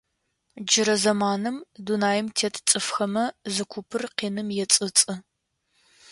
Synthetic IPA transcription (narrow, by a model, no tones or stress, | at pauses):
d͡ʒɪɾɐzɐmaːnɨmdunaːjɪmtʰeːtʰt͡sʼɨfxɐmɐzɨkʷʰʊpʰɨrqiːnɨmjɛt͡sʼɨt͡sʼɨ